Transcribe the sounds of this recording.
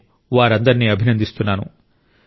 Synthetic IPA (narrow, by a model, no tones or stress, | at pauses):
ʋaːɾɐnd̪ɐɾiniːɐbʱinɐnd̪ist̪unːaːnṵ